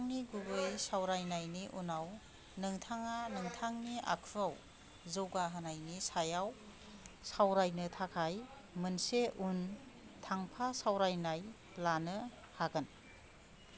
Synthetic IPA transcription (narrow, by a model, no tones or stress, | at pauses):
ŋniɡuɡɯjsawɾajnajniʔunaw | nɯŋtʰaŋanɯŋtʰaŋniʔa̰kʰuɾaw | zɯwɡaɦanajnisajaw | sawɾajnɯtʰakʰaj | mɯnseʔun | tʰaŋpʰasawɾajnaj | lanɯ | haɡɯn